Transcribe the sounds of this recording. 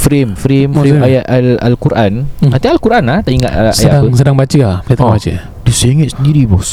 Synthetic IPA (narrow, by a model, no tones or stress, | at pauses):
fɾemfɾemfɾemajat̪alalkuɾʔanant̪ialkuɾʔanlaht̪aʔiŋa̰t̪sjaədapəsədaŋbat͡ʃəabat̪bat͡ʃə | disaiŋət̪̚səndiɾibɔs